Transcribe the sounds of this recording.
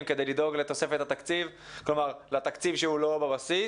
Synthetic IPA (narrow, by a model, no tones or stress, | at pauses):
mke̞d̪ejlid̪o̞ɡlet̪o̞sefet̪hat̪akt͡sivklomaʁlat̪akt͡sivʃeulo̞babasi